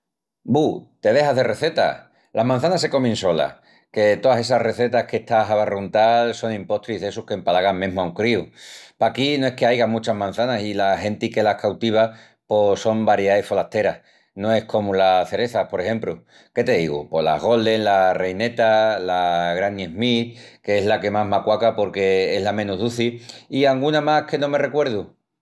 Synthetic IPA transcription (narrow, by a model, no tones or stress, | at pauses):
but̪e̞ð̞e̞ɦaɦðere̞θe̞t̪a̰ | lʔaɦmãn̟θanas̬e̞ko̞mẽnso̞la̰h | ke̞t̪o̞ðase̞s̬are̞θe̞t̪ahke̞ht̪aɦaβarunt̪also̞ŋĩmpo̞ht̪ɾiðe̞suhke̞mpalaɣaŋmẽɦmauŋkɾiupakinoe̞hke̞ajɣamut͡ʃaɦmãn̟θanasilahe̞nt̪ike̞lahkawt̪iβ̞a | poso̞mbaɾjaefo̞laht̪e̞ɾah | no̞e̞hko̞mulaθe̞ɾe̞θapo̞ɾe̞he̞mplu | ke̞t̪e̞ðḭɣṵpo̞la̰ɣo̞ld̪e̞ŋlare̞jne̞t̪alaɣɾanjeɦmitkeezlake̞maɦmakwakapo̞ɾke̞eɦlamẽnuɦðuθiiaŋɡunamahke̞nõ̞me̞re̞kwe̞ɾð̞u